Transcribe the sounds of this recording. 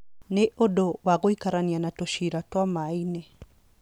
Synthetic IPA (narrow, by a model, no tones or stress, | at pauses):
neʔodowaɣoikaɾanianatoʃiɾatwamainɛ